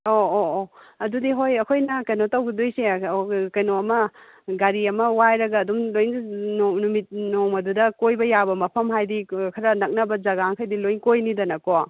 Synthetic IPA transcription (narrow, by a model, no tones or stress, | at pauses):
ooɐdudiɦojɐkʰojnɐkɐjnotɐwɡidojsekɐjnoɐmɐ | ɡaɾiɐmɐwajɾɐɡɐːdumlojnnnumit̚noŋmɐdudɐkojbɐjabɐmɐpʰɐmɦajdikʰɐɾɐnɐk̚nɐbɐd͡ʒɐɡaŋkʰajdilojnkojnidɐnɐko